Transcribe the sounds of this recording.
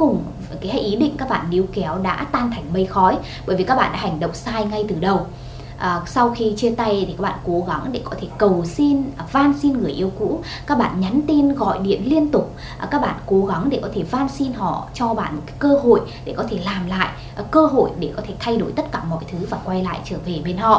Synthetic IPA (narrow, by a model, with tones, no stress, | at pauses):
ʊ˨˩ŋ͡m | kaː˨˦hʔi˨˦ɗḭ̈˧˨ŋ̟kaː˦˥k̚ɓa̰ː˧˨nːe˨˦wkɛ˨˦wɗa̰ː˧˥t̪aː˧nt̪ʰɛ˨˩jŋ̟mə˧jxɔ˨˦j | ɓəː˨˩jvi˨˩kaː˦˥ɓ̰ːɗ̰a̰ː˧˦hɦa˨˩ŋ̟ɗə̰˧˨wŋ͡msaː˧jŋa˧jt̪ɨ˨˩ɗə˨˩w | ʔsa˧wxi˧t͡ɕi˧ət̪a˧jt̪ʰi˨˩aː˦k̚ɓa̰ː˧˨ko˨˦ɣa˨˦ŋɗe˧˩kɔ˨˦t̪ʰe˧˩kə˨˩wsi˧n˨˩vaː˧nsi˧nɣɨ˨˩əjʔi˧əwkṵ˧˥ | kaː˦˥k̚ɓa̰ː˧˨nɲa˨˦nt̪i˧nɣɔ̰˧˨jɗḭ˧˨ənli˧ənt̪ʊ˨˩k͡p̚ | kaː˦˥k̚ɓa̰ː˧˨nko˨˦ɣa˨˦ŋɗe˧˩kɔ˨˦t̪ʰe˧˩vaː˧nsi˧nɦɔ̰˧˨t͡ɕɔ˧ɓa̰ː˧˨nmo˨˩t̚kaː˨˦kəː˧ɦo̰˧˨jɗe˧˩kɔ˨˦t̪ʰe˧˩laː˨˩mla̰ː˧˨j | kəː˧ɦo̰˧˨jɗe˧˩kɔ˨˦t̪ʰe˧˩t̪ʰa˧jɗo˧˩jt̪ə˦˥t̚kaː˧˩mɔ̰˧˨jt̪ʰɨ˨˦vaː˨˩kwa˧jla̰ː˧˨jt͡ɕəː˧˩ve˨˩ɓe˧nhɔ̰˧˨